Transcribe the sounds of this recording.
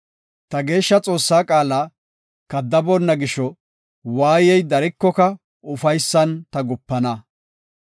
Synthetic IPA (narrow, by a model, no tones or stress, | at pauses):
t̪ɐɡe̞ːʃːɐt͡sʼo̞ːsːaːkʼaːlɐ | kɐd̪ːɐbɔnːɐɡɪʃɔ | waːjɛjd̪ɐɾɪkːɔkɐ | ʊfɐjsːɐnt̪ɐɡʊpːɐnɐ